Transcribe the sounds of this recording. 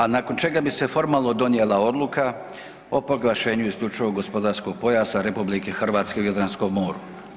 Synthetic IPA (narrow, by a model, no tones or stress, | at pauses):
anako̞nt͡ʃe̞ɡabise̞fo̞ɾmaːlˠno̞d̪o̞njeːlˠao̞d̪luka | o̞po̞ɡlˠaʃe̞ːɲuisʎut͡ʃuoɡo̞spo̞d̪aːɾskoɡ̚po̞jaːsaɾepublike̞xr̩ʋaːt̪ske̞ujod̪ɾansko̞ɡmo̞ːɾu